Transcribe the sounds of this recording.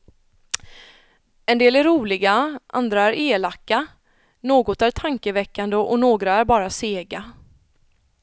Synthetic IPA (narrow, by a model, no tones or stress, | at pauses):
ɛnd̪eːlæɾːuːlɪɡaʔa̰nd̪ɾaæɾeːlakːa | noːɡɔt̪æɾʈ̪ʰaŋkəvɛkːand̪əʔɔnoːɡɾaæɾbɑːɾaseːɡa